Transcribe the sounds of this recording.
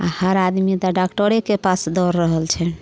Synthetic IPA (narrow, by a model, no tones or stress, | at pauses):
a̰həɾad̪mid̪aɖakʈəɾekepasd̪ɔɾːəɦəlt͡ʃʰɛn